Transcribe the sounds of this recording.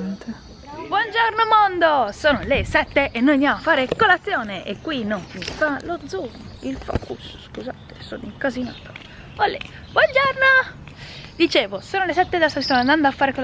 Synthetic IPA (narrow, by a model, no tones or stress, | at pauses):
t̪ | bwɔnd͡ʒornomond̪osoːnolesɛt̪ːeʔenːojanamoafːaːɾekolat̪sːjoːneʔekːwinomifalod̪zumilfɔ̰ːkusskuzaːt̪e̥so̰ːniŋkazina̰ːt̪o̥ | olːḛ | bwɔnd͡ʒorno | d̪it͡ʃeːvosoːnolesɛt̪ːed̪asaist̪onand̪and̪oafːaːɾeko